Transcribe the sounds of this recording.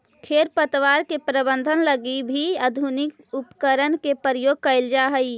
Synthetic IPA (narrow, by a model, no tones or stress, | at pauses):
kʰeːɾpət̪ʋaːɾkepɾəbə̃nd̪ʱənləɡibʱiəd̪ʱunɪk | upkəɾənkepəɾəjoːɡ̚kəɪld͡ʒaɦəi